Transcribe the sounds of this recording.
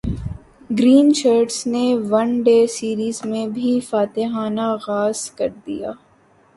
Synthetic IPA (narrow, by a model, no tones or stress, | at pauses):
ɡɾiːnt͡ʃaːɾɖsneʋɐɳɖeːsiːɾiːzmẽbʱifaːt̪eɦaːnaɣaːz̥kɐɾd̪ḭja̰ː